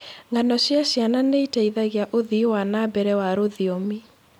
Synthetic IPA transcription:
ŋɡanɔɕjaɕjananeitaiðaɣeaʔoðiwanabɛɾɛwaɾoðiomi

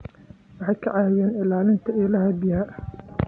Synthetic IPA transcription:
wɑħɑjkʰɐʕɑɐjɛːnɪlaːlɪnt̪ʰɐɪlɐɦɐbjhɐ

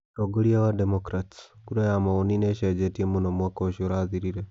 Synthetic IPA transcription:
toɡoliawademokɾatskuɾajamaonineʃed͡ʒetiemunomwakoʃoɾaðiɾiɾe

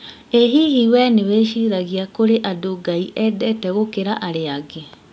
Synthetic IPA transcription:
eɦihiwɛneweːʃiɾaɣiakoɾeʔadoɡaiʔɛdɛtɛɣokeɾaʔaɾeaɡe

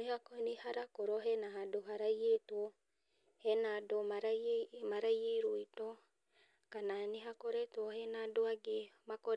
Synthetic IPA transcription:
nehakɔnihaɾakoɾɔɦɛnahadoɦaɾajetwɔ | hɛnadomaɾajmaɾajeɾoitɔ | kananeɦakɔɾɛtwɔhɛnadoaɡemakɔɾ

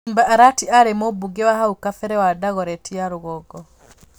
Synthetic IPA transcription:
mbaʔaɾatiaɾɛmɔbuɡɛwahaukafɛɾɛwadaɣɔɾɛtiaɾʊɣɔɡɔ

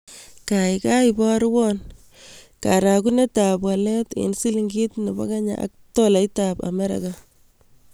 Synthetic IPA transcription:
kaikaibɔɾwɔn | kaɾakunetapwaletḛnsiliŋɡitneba̰kaɲa̰a̰k̚tɔlaitapa̰mɛɾa̰ka

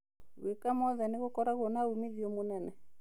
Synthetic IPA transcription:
wekamɔðɛneɣokɔɾaɣonaumeðiomonɛnɛ

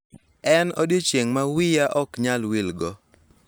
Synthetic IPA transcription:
ɛnɔdjit͡ʃjeŋmawɪjaʔɔkɲalwilɡɔ

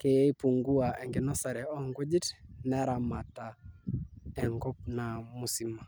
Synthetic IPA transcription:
kɛjɛipuŋɡuaɛŋɡinɔsaɾɛɔŋɡud͡ʒitnɛɾamata | ɛŋɡɔp̚namusima

